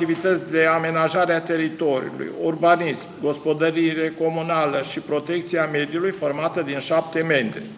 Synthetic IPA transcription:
ivit̪ət̪sʲd̪e̞ame̞naʒaɾeat̪e̞ɾit̪o̞ɾḭṵlṵjurbanismɡo̞spo̞d̪əɾiɾe̞ko̞munaləʃipɾo̞t̪e̞k̚t̪sieame̞d̪ijulujfo̞rmat̪əd̪inʃap̚t̪e̞me̞nd̪ɾi

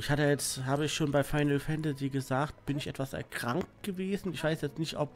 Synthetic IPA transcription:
ʔɪçhatəjɛt͡sthaːbəɪçʃoːnbaɪfaɪnl̩fɛntɛziɡəzaːktb̥ɪnɪçʔɛtv̥asɛ̰ɐkʁ̥aŋkt̚ɡ̥əveːzn̩ɪçv̥aɪsjɛt͡stnɪçtʔɔp̚

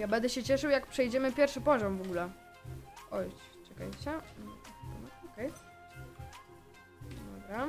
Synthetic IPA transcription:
jabɛnd̪ɛɕɛt͡ɕɛʂɘwjakpʂɛjd͡ʑɛmɘpʲjɛɾfʂɘpɔʑɔmvɔɡulɛ | ɔj | t͡ʂɛka̰jɕɛ | a̰nɔɔkɛj | d̪ɔbɾa

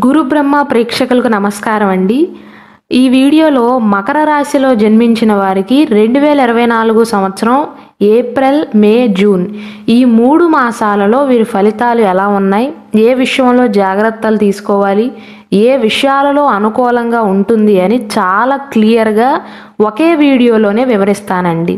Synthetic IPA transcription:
ɡuɾubɾɐmːapɾɛːkʂɐkulɐkunɐmɐskaːɾɐmɐɳɖi | iːʋiːɽijo̞ːlo̞ːmɐkɐɾɐɾaːsilo̞ːd͡ʒɐnmiɲt͡ʃinɐʋaːɾikiɾe̞ɳɖuʋɛːlɐiɾɐʋɐjnaːluɡuɐsɐmʋɐt̪sɐɾɐm | eːpɾelmeːd͡ʒuːniːmuːɽumaːsaːlɐlo̞ːʋiːɾipʰɐlit̪aːluɛlaːunːaːji | eːʋiʂɐjɐmlo̞ːd͡ʒaːɡɾɐt̪ːɐlut̪iːsu̥kɔːʋaːli | eːʋiʂɐjaːlɐlo̞ːɐnukɔːlɐŋɡaːuɳʈund̪iɐnit͡ʃaːlaːklijɐɾɡaː | oke̞ːʋiːɽijo̞ːlo̞ːne̞ːʋiʋɐɾist̪aːnɐɳɖḭ

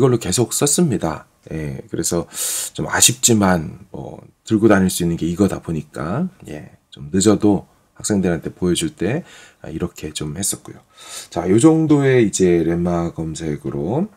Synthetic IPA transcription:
iɡʌɭːoke̞sʰok̚s͈ʌs͈ɯmɲida̰ | je̞̰kɯɾe̞sʰʌt͡ɕoma̰ɕʰip̚t͡ɕ͈imanmʌ̰tɯɭɡodaɲiɭs͈uinːɯnɡe̞iɡʌda̰poɲik͈a̰je̞̰ | t͡ɕomnɯd͡ʑʌdo | hak̚s͈e̞ŋdɯɾɦantʰe̞pojʌd͡ʑuɭt͈e̞ | a̰iɾʌkʰe̞t͡ɕomhe̞s͈ʌk̚k͈ojo | t͡ɕajod͡ʑʌŋdoe̞id͡ʑe̞ɾe̞mːaɡʌmsʰe̞ɡɯɾo

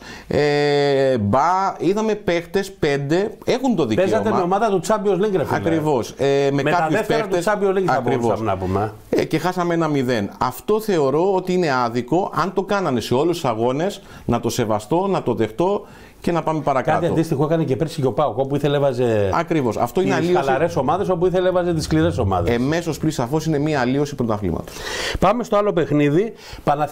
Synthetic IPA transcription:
e | bɐiðɐme̞pe̞xt̪e̞spe̞nd̪e̞e̞xunt̪o̞ðieeɐot̪emmeomɐðɐt̪ut͡sɐbiozleŋɡɾeɐkɾɾivo̞sememekɐðusfpeɾɐt̪esɐbiozleiɐɐɾivoɐsnɐpume | ce̞xɐsɐmenɐmiðe̞nɐft̪o̞θe̞o̞ɾo̞ot̪iine̞ɐðiko̞ʔɐnt̪o̞kɐnɐne̞se̞o̞lust̪u̥sɐɣo̞ne̞s | nɐt̪o̞se̞vɐst̪o̞nɐt̪o̞ðe̞xt̪o̞ | ce̞nɐpɐme̞pɐɾɐkkɐɐt̪iɐnod̪ist̪ixoekɐnecepeɾsico̞pɐokopuiθelevɐzeɐkɾivo̞sɐ̰ft̪o̞ineɐlioɐsɾeso̞mɐðe̞sop̬uiθelevɐzet̪iskliɾeso̞mɐ̰ðeeme̞so̞splisɐfo̞sine̞miɐːlio̞sipɾot̪ɐflḭmɐ̰t̪ospɐmest̪oɐlo̞pe̞xniði | pɐnɐ

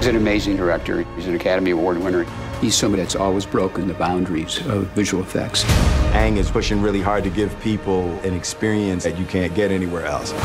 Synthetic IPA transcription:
zɨ̃nɨmeɪzɪ̃ŋdə˞ɛk̚tə̰˞izɨ̃nɨkʰæɾəmiwɔɹd̚wɪ̃nə˞ | ðiz̥sʌ̃mɨɾɨtsɔlˠwizbɹoʊkɨ̃nðɨbãʊ̃ndɹiz̥ʌvːɪʒəwl̩ˠəfɛ̰k̚tsæ̃ŋɨz̥pʰʊʃɪ̃ŋɹɪlˠiɦɑɹd̚tɨɡɪv̥pʰipl̩ˠɨ̃nɨkspɪɹiɨ̃nsɨt͡ʃɨkʰæ̃nɡ̥ɛɾɛñiwɛɹɛ̰lˠs

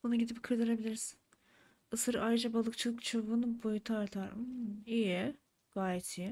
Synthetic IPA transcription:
bunuɟid̪ip̚kʰɯɾd̪ɯɾebilʲiɾiz̥ | ɯsɯɾaːjɾɯd͡ʒabalˠɯkt͡ʃʰɯlˠɯkt͡ʃʰɯvunɯbojut̪ʰuaɾt̪ʰaɾijɛ | ɡ̥aːjɛt̪ʰij

